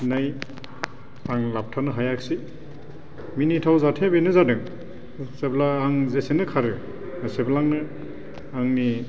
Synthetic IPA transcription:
naj | aŋlap̚tʰanɯɦajak̚si | minitʰawzatʰebenɯzadɯŋ | seblaːŋzesinɯkʰaɾɯ | seblaŋnɯ | aŋni

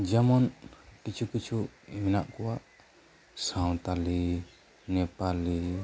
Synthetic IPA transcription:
d͡ʒɛmɔnkit͡ʃʰukit͡ʃʰuiminaʔkɔwaʔ | sãw̃t̪ali | nɛpali

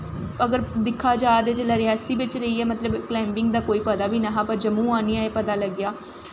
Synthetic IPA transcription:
əɡəɾd̪ɪkʰːaːd͡ʒaːd̪eːd͡ʒəlaːɾɪaːsiːbɪt͡ʃɾəiːɛːmət̪ləbklɛːmbɪŋɡd̪aːkoːiːpəd̪aːbiːnaɦãːpəɾd͡ʒəmũːaːniaːeːpəd̪aːləɡɪjaː

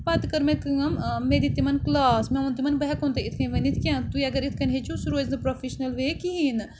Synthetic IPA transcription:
pɐt̪kɐɾmẽkɨɐmmed̪it̪ːimɐnklaːsmẽunt̪imɐnbɐɦɛkont̪eit̪ʰkʰɐnʋɐnit̪ʰkʲãːt̪uiɐɡəɾit̪ʰkʰɐnɦet͡ʃʰusuɾoːeznɐpɾofʰiʃnɐlʋeːkiɦin

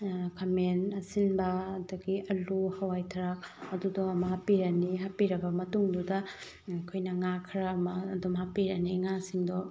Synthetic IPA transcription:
kʰɐmenɐsinbɐːduɡiɐluhɐwajtʰɐɾak̚ɐdudɔɐmɐɦapiɾɐniɦapiɾɐbɐmɐtuŋdudɐ | kʰojnɐŋakʰɾɐmɐːdumɦapiɾɐniŋasiŋdɔ

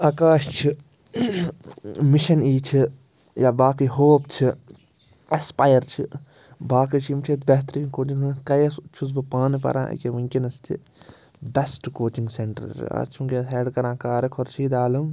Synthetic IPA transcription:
ɐkaːʃt͡ʃʰi | miʃɐniːt͡ʃʰi | jaːbaːkiɦoːpt͡ʃʰi | espaːjɐɾt͡ʃʰi | baːkit͡ʃʰimt͡ʃʰit̪bɛɦt̪ɾiːkoːt͡ʃĩŋkɐjɐst͡ʃʰus̬bɨpaːnpɐ̰ɾã̰ːḭkeʋɐ̃ŋʲkʲinɐst̪ʰḭ | bɐsʈkoːt͡ʃĩŋɡseɳʈɐ̰ɾ̰a̰ːt͡ʃʰũŋkeɦeːɖkɐɾãːkaːɾɐkʰoɾt͡ʃʰiːd̪aːlɐm

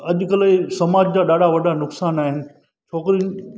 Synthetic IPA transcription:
ɐʄʊ̆kɐlsɐmaːd͡ʑd͡ʑaːɗaːɖʱaʋɐɗanʊksaːnaːɦɪnɪ̆ | t͡ɕʰoːkɪɾi

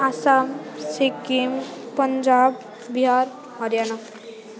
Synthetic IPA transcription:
asamsikimpəɲd͡ʒaːb | biɦaɾ | hʌɾjana

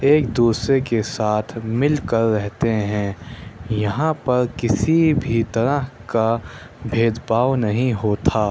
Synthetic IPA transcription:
eːk̚d̪uːsɾekesaːt̪ʰmɪlkɐɾːɛɦt̪eɦɛ̃jɐɦãpɐɾkɪsibʱit̪ɐɾəɦka | bʱeːd̪baːwnɐɦĩɦoːt̪ʰaː

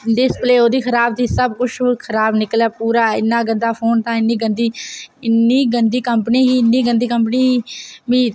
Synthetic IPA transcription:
d̪ɪspleːoːd̪iːkʰəɾaːb̚t̪iːsəbkʊt͡ʃʰːkʰəɾaːbnɪkəlaːpuːɾaːɪ̰nːaːɡənd̪aːpʰoːnt̪ãːɪnːiːɡənd̪iːɪnːiːɡənd̪iːkəmpəniːɦiːɪnːiːɡənd̪iːkəmpniːɦiːmĩː

